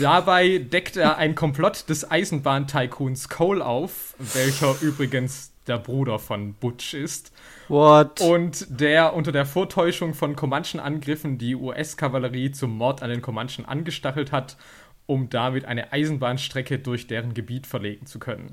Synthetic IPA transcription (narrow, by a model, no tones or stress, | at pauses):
d̥abaɪdɛktʔeːɐʔaɪnkʰɔmpl̥ɔtd̥ɛsʔaɪzn̩baːntʰaɪkʰuːnskʰoːlʔa̰ʊf | v̥ɛlçɐʔyːbʁɪɡənsd̥eːɐbʁuːɾɐfɔnb̥ʊt͡ʃɪst | ɔtʊntd̥eːɐʔʊntɐdeːɐfoːɐtʰɔʏʃʊŋfɔnkʰomanʃn̩ʔa̰nɡʁɪfn̩diːʔuːʔɛskʰavaləʁiːt͡sʊmːɔɐtandeːnkʰomanʃn̩ʔa̰nɡəʃtaχl̩that | ʔʊmd̥amɪtʔa̰ɪnəʔaɪzn̩baːnʃtʁ̥ɛkədʊɐçd̥eːʁənɡəbiːtfɛɐleːɡŋ̩t͡su̥kʰœnə̰n